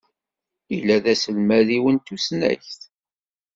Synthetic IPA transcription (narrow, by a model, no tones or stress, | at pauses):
ilːæðæsəlmæðiwənt̪ːusnæ̰çθ